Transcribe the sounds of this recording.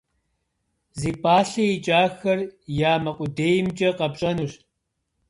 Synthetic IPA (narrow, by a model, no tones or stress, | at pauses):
ziːpʰʼaːɬɐit͡ʃʼaːxɐrjaːmɐqʷʼʊdeːjmt͡ʃʼɐqɐpɕʼɐnuɕ